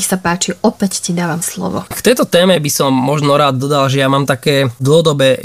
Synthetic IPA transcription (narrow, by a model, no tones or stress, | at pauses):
xsapaːt͡ʃiʔɔpɛccid̪aːʋamslɔ̰ʋɔ̰kt̪ɛjt̪ɔt̪ɛːmɛbisɔmːɔʒnɔɾaːd̪d̪ɔd̪alʒɛjamaːmt̪akɛːd̪lɦɔd̪ɔbɛː